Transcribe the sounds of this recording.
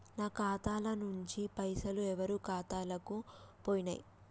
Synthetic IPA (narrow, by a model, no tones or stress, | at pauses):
naːkaːt̪aːlɐnuɲt͡ʃipɐjsɐluɛʋɐɾukaːt̪aːlɐkupoːjina̰ːji